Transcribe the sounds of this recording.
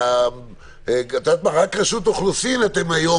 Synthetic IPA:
ɡat̪at̪̚maʁakʁaʃut̪oχluθinat̪emajo

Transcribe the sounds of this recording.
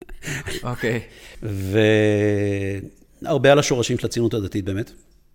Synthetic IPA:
okejve | aʁbealaʃo̞ʁaʃimʃlat͡sinutad̪at̪it̚beːmet̪

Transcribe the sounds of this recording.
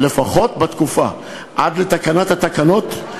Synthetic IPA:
le̞faχo̞t̪bat̪kufa̰ | ʔad̪le̞t̪akanat̪hat̪akano̞t̪

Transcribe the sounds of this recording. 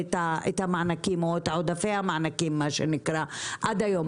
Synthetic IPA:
t̪aet̪amaʕnakimoet̪aʕod̪afeamaʕnakimːaʃenɪkɾaʔad̪ajom

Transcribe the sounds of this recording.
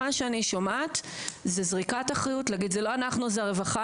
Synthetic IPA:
aʃeaniʃomatzezʁikataχʁajutlaɡid̪zeloanaχnuzeaʁe̞vaχa

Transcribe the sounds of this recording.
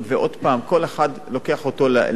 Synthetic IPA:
veʔod̪paːmko̞leχad̪lokeaχot̪ol̰

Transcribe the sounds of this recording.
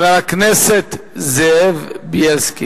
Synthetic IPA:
alaknɛset̪zeevbjɛlski

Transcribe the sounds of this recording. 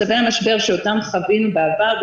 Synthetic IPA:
abehamaʃbe̞ʁʃeotamχavinubeavaʁb

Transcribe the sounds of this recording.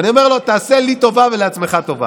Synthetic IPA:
anio̞meʁlo̞t̪aːse̞lit̪o̞vaveleat͡sme̞χat̪o̞va̰

